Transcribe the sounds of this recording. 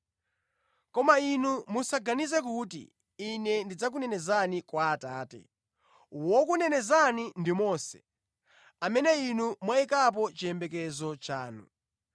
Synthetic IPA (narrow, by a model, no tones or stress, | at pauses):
kɔmainumusaɡanizɛkutḭː | nɛndid͡zak̬unɛnɛzanikwaːtaːtɛ̰ | wɔkunɛnɛzanindimɔːsɛ̥̰ | amɛnɛinumwaikap̬ɔt͡ʃiɛmbɛk̬ɛzɔt͡ʃaːnṵ